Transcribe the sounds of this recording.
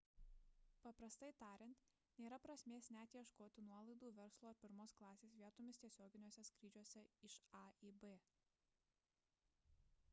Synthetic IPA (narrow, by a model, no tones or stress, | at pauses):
pɐpɾɐst̪ɐɪt̪ɑːɾʲɪnt̪ | nʲeːɾɐpɾɐsʲmʲeːsnʲæːt̪ʲjiɛʃkoːt̪ʲɪnuɔlˠɐɪd̪uːʋʲɛɾslˠoːɐɾpʲɪɾmoːsklˠɑːsʲeːsʋʲiɛt̪omʲɪst̪ʲiɛsʲoːɡʲɪnʲoɔsʲɛskɾʲiːd͡ʒʲuɔsʲɛɪʃɑiːbe